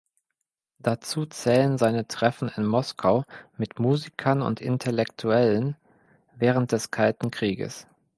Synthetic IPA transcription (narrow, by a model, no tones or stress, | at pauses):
d̥at͡suːt͡sɛːlənzaɪnətʁ̥ɛfn̩ɪnmɔskʰaʊmɪtmuːzikʰɐnʊ̰ntɪ̰ntʰɛlɛktʰuɛlən | vɛːʁ̞ənt̚d̥ɛskʰaltn̩kʁ̥iːɡə̰s